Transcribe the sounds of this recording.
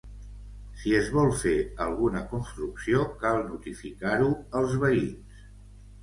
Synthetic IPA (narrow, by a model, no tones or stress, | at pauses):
siəzβɔlˠfeəlˠɣunəkunst̪ɾuksiokalˠnut̪ifikaɾuəlˠzβəins